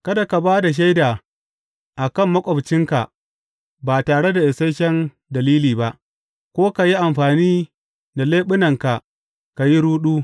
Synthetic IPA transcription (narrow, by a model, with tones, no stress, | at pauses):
kɐ˦da˨ka˨baː˦da˨ʃ̬ɐ˦jdaː˨ | ʔa˨kɐ˦˨mːɐ˦kʷʼɔ˨bt͡ʃɪ˦ŋka̰˨ | baː˨taː˨ɽe˦da˨ʔɪ˨sɐ˦jʃɛ˦n | dɐ˨liː˦liː˨ba˦ʔ | kʷoː˦ka˨ji˦ʔa˨mɸaː˨niː˦ | da˨leː˦ɓʊ˦nɐ˨ŋka˨ | ka˨ji˦ɾuː˦ɗuː˦